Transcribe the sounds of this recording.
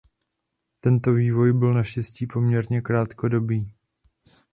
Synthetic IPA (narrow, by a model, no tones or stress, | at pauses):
t̪ɛnt̪o̞viːvo̞jbɪlnaʃcɛsciːpo̞mɲɛɾɲɛkɾaːt̪ko̞do̞biː